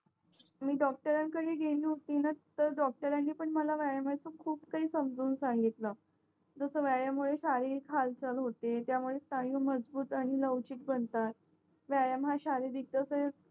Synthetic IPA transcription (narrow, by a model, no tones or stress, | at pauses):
miːɖɔk̚ʈəɾãnkəɽiːɡʱeliːɦot̪iːnat̪əɾɖɔk̚ʈəɾanːiːpəɳməlaʋaɭamat͡səkʰuːpkaɦiːsəmd͡zuːnsãŋɡit̪lə | d͡zəsəːʋaɭjamuɭeɕaɾiikʰalt͡ɕəlɦot̪et̪jamuɭest̪ajuːməd͡zbuːt̪aɽ̃iləʋt͡ɕiːt̪̚bənt̪at̪̚ | ʋjajəmɦaɕaɾed̪it̪əsəe